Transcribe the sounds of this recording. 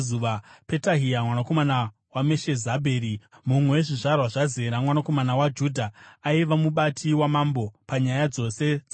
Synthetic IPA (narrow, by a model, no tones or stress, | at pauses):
uʋape̞taɦiamwanako̞mana | wameʃe̞zabʱe̞ːɾimumwe̞weʐiʐarwaʐazeɾamwanako̞manawad͡ʒuːdʱaaiʋamuɓatʰiwamambo̞paɲajad͡zo̞se̞d͡za